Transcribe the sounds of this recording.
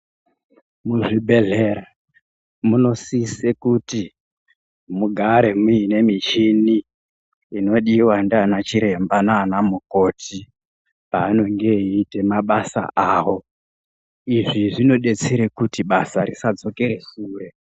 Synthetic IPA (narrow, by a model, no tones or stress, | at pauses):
muʐibʱe̞ɮe̞ɾa | muno̞sisekuti | muɡʱaɾe̞muine̞mit͡ʃiniː | no̞ɗiwandanat͡ʃiɾe̞mbanaːnamuko̞tʰi | paːno̞ŋɡe̞ɦiːte̞maɓasa̰ʔawo̞ | iʐiʐino̞ɗe̞t͡seɾekutiɓasaɾisad͡zo̞ke̞ɾe̞suːre̞